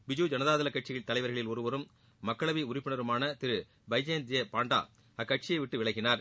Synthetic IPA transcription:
bɪd͡ʒuːd͡ʒɐnɐðaːðɪlɐkːɐʈ̚t͡ʃɪjɐɭt̪ːɐlɐɪʋɐɾɣɐɭɪlɔɾɯʋɐɾɯmː | ɐkːɐɭɐʋiʊɾɪpːɪɳɐɾɯmaːnɐt̪ɪɾɯ | bɐɪd͡ʒeːnd̪ɪjɐpaːɳɖa̰ː | ɐkːɐʈ̚t͡ʃɪjɐɪʋɪʈːɯʋɪɭɐɣɪnaːɾ

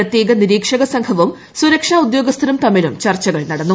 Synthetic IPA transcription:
ɐt̪jeːɡɐniɾiːkʂɐɣɐsɐŋɡʰɐʋum | suɾɐkʂaːud̪jo̞ːɡɐst̪ʰɾɐmt̪ɐmːilumt͡ɕɐrt͡ɕːɐɣɐɭnɐɽɐnːu

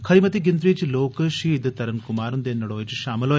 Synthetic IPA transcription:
kʰɐɾimɐt̪iɡind̪ɾiːt͡ʃiloːkɐʃid̪ɐt̪ɐɾɐmkumaːɾund̪eːnːɐɽoːjit͡ʃiʃaːmɐloː

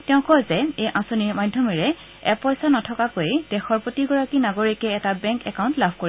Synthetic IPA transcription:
tɛʊ̃kɔjzɛejʔãsoniɹmajdʱjɔmiɹɛ | ɛpɔjsanɔtʰɔkakojd̥ɛxɔɹpotiɡɔɹakinaɡoɹikɛːtabɛŋkɛkaʊ̃ntlabʱkoɹi

